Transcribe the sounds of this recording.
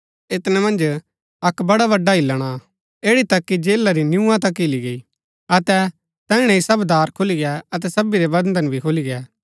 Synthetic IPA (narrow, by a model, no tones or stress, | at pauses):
et̪nɛmɐ̃nd͡ʒ | ɐkbɐɽaβɐɖːaɪlːəɽ̃a | eːɽit̪ɐkːid͡ʒeːlːaɾinjũːãt̪ɐkɪliɡei | ɐt̪ɛ | t̪ɛ̃ːɪɽ̃ɛ̃isɐbd̪aːɾkʰʊliɡɛɐt̪̬ɛsɐbiɾebɐ̃nd̪ənbʱikʰʊliɡɛː